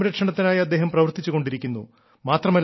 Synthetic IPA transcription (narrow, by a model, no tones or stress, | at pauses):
ɾɐkʂɐɳɐt̪ːinaːjiɐd̪ːeːɦɐmprɐʋɐrt̪it͡ɕːuɣo̞ɳɖiɾikʲːunːṵ | maːt̪rɐmɐl